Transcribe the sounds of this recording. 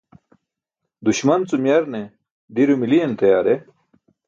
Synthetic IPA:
d̪uɕmɐnt͡sumjɐɾne | d̪iɾumilient̪ɐjaːɾe

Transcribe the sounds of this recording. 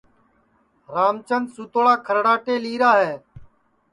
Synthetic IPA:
ɾaːmt͡ʃənsuːt̪oɭaːkʰəɾɽaːʈeːliːɾaːɦɛː

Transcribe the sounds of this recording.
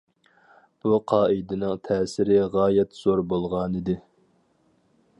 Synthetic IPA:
b̥uqʰɑːʔid̪ɪnɪŋt̪ʰɛːsɪɾɪʁɑːjɛt̪z̥oɾbolˠʁɑnid̪ɪ

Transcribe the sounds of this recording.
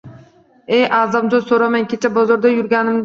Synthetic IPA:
ejʔɑːzamd͡ʒ̪osoɾamaŋkʲʰet͡ʃʰabozoɾd̪ajʊɾɡʲanɪm

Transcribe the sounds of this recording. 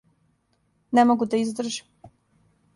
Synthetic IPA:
nemoɡud̪aizd̪r̩ʒi̥

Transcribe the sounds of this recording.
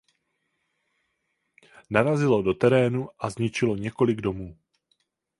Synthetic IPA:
naɾazɪlo̞do̞t̪ɛɾɛːnuʔazɲɪt͡ʃɪlo̞ɲɛko̞lɪɡdo̞muː

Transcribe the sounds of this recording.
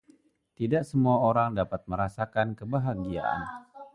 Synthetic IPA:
t̪idaʔsəmuaoɾaŋdapat̪̚məɾasakankəbaɦaɡia̰ʔa̰n

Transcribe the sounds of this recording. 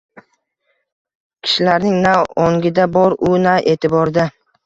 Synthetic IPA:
kʲʰɪ̥ʃɪlaɾnɪŋnawɒŋɡʲɪd̪abɒɾʊnaʔe̞ːt̪ʰɪbɒɾd̪a

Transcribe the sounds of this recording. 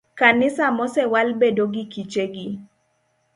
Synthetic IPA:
kanɪsamɔsɛwalbedoɡikit͡ʃeɡi

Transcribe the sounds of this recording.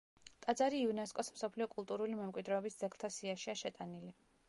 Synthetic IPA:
t̪ʼad̪zaɾiːunɛskʼɔsm̩sɔpʰliɔkʼulˠt̪ʼuɾulimɛmkʼwid̪ɾɛɔbisd̪z̥ɛkʰlˠt̪ʰasiaʃiaʃɛt̪ʼanili

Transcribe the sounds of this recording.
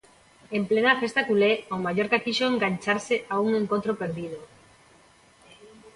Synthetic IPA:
emplenafest̪akuleomaʝoɾkakiʃoeŋɡant͡ʃaɾseʔauŋeŋkont̪ɾopeɾðiðo

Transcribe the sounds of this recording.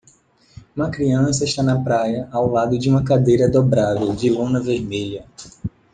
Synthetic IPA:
ũmɐkɾiɐ̃sɐɪʃt̪anɐpɾajɐʔawlad̪ʊd͡ʒɪũmɐkad̪ejɾɐd̪obɾavewd͡ʒɪlũnɐveɾmeʎɐ

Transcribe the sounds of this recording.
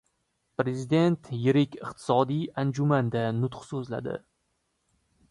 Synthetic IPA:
pɾe̞zid̪e̞nt̪jɪɾɪkʲɪqt̪ʰɪ̥sɒd̪ijand͡ʒʊmand̪anʊt̪qsɵzla̰d̪ɪ̰

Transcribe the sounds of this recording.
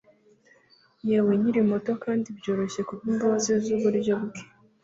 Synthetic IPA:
jaweɲiɾimo̞to̞kaːndibjoːɾo̞ɕe̞kuβimboːzizuːβuɾibɟoβuke̥

